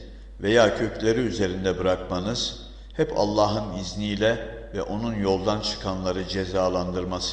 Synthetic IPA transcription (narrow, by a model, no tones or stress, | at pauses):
ve̞jaːcʰø̞cʰlʲe̞ɾiyze̞ɾind̪ɛbɯɾakmanɯz̥ | hɛpa̰lˠːaːɦɯniznijlʲɛ | vɛ̰ʔo̞nunjo̞lˠd̪ant͡ʃʰɯ̥kʰanlˠaɾɯd͡ʒe̞zaːlˠand̪ɯɾmas